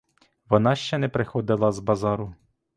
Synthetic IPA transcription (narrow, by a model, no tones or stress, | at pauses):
ʋɔnɑʃt͡ʃɛnɛpɾɪxɔd̪ɪlˠɐzbɐzɑɾʊ